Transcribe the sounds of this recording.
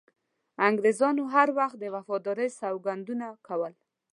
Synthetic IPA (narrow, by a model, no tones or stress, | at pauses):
aŋɡɾezɑnoɦaɾwaxt̪̚d̪əwafɔd̪ɔɾəjsawɡand̪unakʰawəl